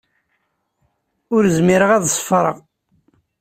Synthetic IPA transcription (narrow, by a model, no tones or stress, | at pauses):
ʊɾzmiɾəʁæðsˤfɾˤə̰ʁ